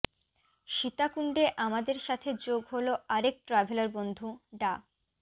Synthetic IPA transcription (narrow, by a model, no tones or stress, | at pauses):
ʃit̪akuɳɖeʔamad̪eɾʃat̪ʰed͡ʑoɡɦoloʔaɾek̚ʈɾabʱelaɾbond̪ʱuɖa